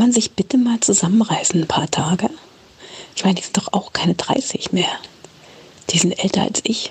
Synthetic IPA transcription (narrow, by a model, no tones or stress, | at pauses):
manzɪçb̥ɪtəmaːlt͡suzamənʁaɪsn̩npʰaːɐtʰaːɡə | ɪçmaɪndiːzɪnt̚d̥ɔχʔaʊxkʰaɪnədʁa̰ɪsɪçmeːɐ | d̥iːzɪntʔɛltɐ̰a̰lsʔɪç